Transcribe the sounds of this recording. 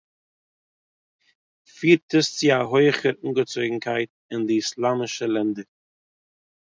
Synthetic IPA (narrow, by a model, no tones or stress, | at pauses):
fiːɾtəst͡sɪaɦoɪχəɾuŋɡət͡soɪɡŋ̩kʰaɪt̚ | ɪndɪːslˠaːmɪʃəlˠɛndəɾ